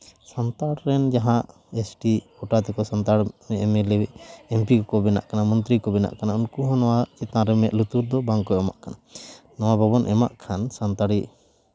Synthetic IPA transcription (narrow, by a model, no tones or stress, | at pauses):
sant̪aɽɾɛnd͡ʒaɦãʔ | esʈikɔʈat̪ɛkɔsɔnt̪aɽɛʔmɛlɛɛmpikɔkɔbɛna̰ʔkanamɔnt̪ɾikɔbɛna̰ʔkanaunkuɦɔ̃nɔwaɛt̪ãɾɛmɛʔlut̪uɾd̪ɔbaŋkɔɔma̰ʔkana | nɔwababɔnʔɛma̰ʔkʰansant̪aɽi